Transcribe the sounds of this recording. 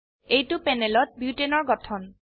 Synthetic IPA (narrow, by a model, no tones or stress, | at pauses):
ejtʊpɛnɛlɔt̚bjutenɔɹɡɔtʰɔn